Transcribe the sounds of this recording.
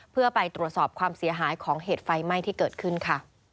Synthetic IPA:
pʰɯ˥˩əpa˧jt̪ɾu˨˩ət̪̚sɔː˨˩p̚kʰwaː˧msi˩˦ɐɦaː˩˦jkʰɔː˩˦ŋɦeː˨˩t̪̚fa˧jma˥˩jt̪ʰiː˥˩kɤː˨˩t̪̚kʰɯ˥˩nkʰa˥˩

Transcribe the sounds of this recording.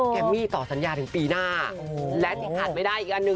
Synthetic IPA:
kɛ˧mːiː˥˩t̪ɔː˨˩sa˨˩˦njaː˧t̪ʰɯ˩˦ŋpiː˧naː˥˩ | lɛ˦˥t̪ʰiː˥˩kʰaː˨˩t̪̚ma˧˩jdaː˥˩jʔiː˨˩k̚ʔa˧nːɯ˧

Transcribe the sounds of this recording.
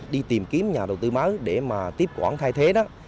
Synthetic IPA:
ɗi˧t̪i˨˩mki˨˦əmɲaː˨˩ɗə˨˩wt̪ɨ˧ma˨˦ɗe˧˩maː˨˩t̪i˦˥əp̚kwa̰ː˧˩nt̪ʰaː˧jt̪ʰe˨˦ɗɔ˨˦

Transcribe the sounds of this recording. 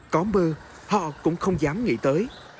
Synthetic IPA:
kɔ˨˦mɓəː˧ | hɔ̰˧˨kʊ̰˧˥ŋ͡mxə˧wŋ͡mzaː˨˦mŋḭ˧˥t̪əː˨˦j

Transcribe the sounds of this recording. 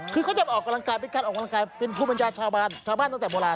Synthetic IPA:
kʰɯː˧kʰa˦˥˩t͡ɕa˨˩p̚ʔɔː˨˩kːa˧mla˧ŋkaː˧jpe˦˧kaː˧nʔɔː˨˩ka˧la˧ŋkaː˧jpe˧npʰuː˥˩ba˧njaː˧t͡ɕʰaː˧wbaː˥˩nt͡ɕʰaː˧wba˥˩n˧ŋt̪ɛː˨˩boː˧laː˧

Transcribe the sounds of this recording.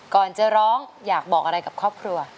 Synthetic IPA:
kɔː˨˩nt͡ɕɤː˧˩ɾɔː˦˥ŋjaː˨˩k̚bɔː˨˩k̚a˧ɾa˧jka˨˩p̚kʰɾɔː˥˩p̚kʰɾu˧ɐ

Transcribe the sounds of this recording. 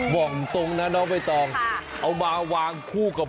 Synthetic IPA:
wɔ˨˩ŋ˨˩t̪o˧ŋna˦˥nɔː˦˥wma˧˩jt̪ɛː˧ŋʔa˧wmaː˧waː˧ŋkʰuː˥˩ka˨˩p̚

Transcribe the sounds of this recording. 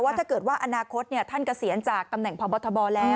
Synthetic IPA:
waː˥˩t̪ʰaː˥˩kɤː˨˩t̪̚waː˥˩ʔa˧naː˧kʰo˦˥t̪̚ni˥˩ɐt̪ʰa˥˩nka˧˩si˩˦ənt͡ɕaː˨˩k̚t̪a˧mnɛ˨˩ŋpʰɔ˨˦bɔː˧t̪ʰːɔ˧bɔː˧lɛː˦˥

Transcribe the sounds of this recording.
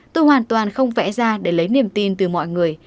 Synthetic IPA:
t̪o˧jhwaː˨˩nt̪waː˨˩nxə˧wŋ͡mvɛ̰˧˥zaː˧ɗe˧˩lə˨˦jni˧˩əmt̪i˧nt̪ɨ˨˩mɔ̰˧˨jŋɨ˨˩əj

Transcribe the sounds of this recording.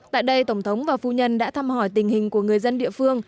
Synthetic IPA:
t̪a̰ː˧˨jɗə˧jt̪ə˧˩wŋ͡mt̪ʰə˨˦wŋ͡mvaː˨˩fu˧ɲə˧nɗa̰ː˧˥t̪ʰaː˧mhɔ˧˩jt̪ï˨˩ŋ̟hï˨˩ŋ̟ku˧˩əŋɨ˨˩əjzə˧nɗḭ˧˨fɨ˧əŋ

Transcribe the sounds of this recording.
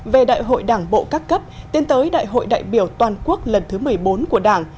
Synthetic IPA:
ve˨˩ɗa̰ː˧˨jɦo̰˧˨jɗaː˧˩ŋɓo̰˧˨kaː˦˥kːə˦˥p̚t̪i˧nt̪əː˨˦jɗa̰ː˧˨jɦo̰˧˨jɗa̰ː˧˨jɓi˧˩əwt̪waː˨˩nku˦˥ək̚lə˨˩nt̪ʰɨ˨˦mɨ˨˩əjɓo˨˦nku˧˩əɗaː˧˩ŋ

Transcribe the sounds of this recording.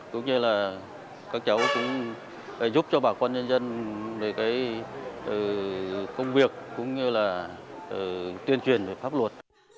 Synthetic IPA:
kʊ̰˨˦wŋ͡mɲɨ˧laː˨˩ | kaː˦˥k̚t͡ɕə˨˦wkʊ̰˧˥ŋ͡m | zu˦˥p̚t͡ɕɔ˧ɓaː˧˩kwaː˧nɲə˧nzə˧nvəː˨˩jkaː˨˦jʔəː˨˩kə˧wŋ͡mvi˨˩ək̚ːʊ̰˧˥˦ŋ͡mɲɨ˧laː˨˩ | ʔəː˨˩t̪wi˧ənt͡ɕwi˨˩ənve˨˩faː˦˥p̚lwə˨˩t̚

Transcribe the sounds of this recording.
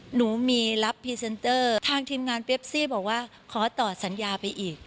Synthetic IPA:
nuː˩˦miː˧la˦˥pʰːiː˧se˧nt̪ɤː˥˩t̪ʰaː˧ŋt̪ʰiː˧mŋaː˧npe˦˥p̚siː˥˩bɔː˨˩k̚waː˥˩ | kʰɔː˩˦t̪ɔː˨˩t̚sa˩˦njaː˧pa˧jʔiː˨˩k̚

